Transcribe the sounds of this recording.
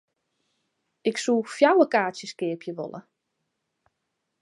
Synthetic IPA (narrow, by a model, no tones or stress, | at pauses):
ɪksuːfjawəkaːsjəskɪəpʰjəʋo̰lə̰